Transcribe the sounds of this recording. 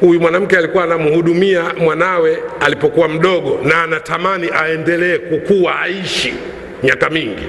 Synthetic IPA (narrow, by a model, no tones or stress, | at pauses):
hujumwanam̩kɛalikuwaːnamuhuɗumiamwanawɛalipɔkuwam̩ɗɔɠɔnaːnatamaniʔaɛndɛlɛːkukuwaaiʃi | ɲakamiŋɡḭ